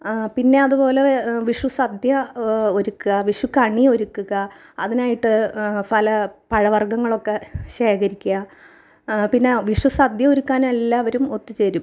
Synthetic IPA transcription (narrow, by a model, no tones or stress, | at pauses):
pinːe̞ɐðupo̞ːle̞ʋiʂwusɐd̪ʱjɐo̞ɾukːuɣɐʋiʂwukɐɳio̞ɾukːuɣɐɐðinaːjiʈːɨpɐlɐpɐɻɐʋɐrɡɐŋːɐɭo̞kːe̞ɕe̞ːkʰɐɾikʲːuɐ | pinːe̞ʋiʂwusɐd̪ʱjɐoɾukːaːnmelːaːʋɐɾumo̞t̪ːit͡ɕe̞ɾum